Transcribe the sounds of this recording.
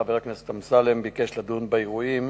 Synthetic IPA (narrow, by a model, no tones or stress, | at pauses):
aveʁakneset̪amsalembikeʃlad̪unbaiʁuim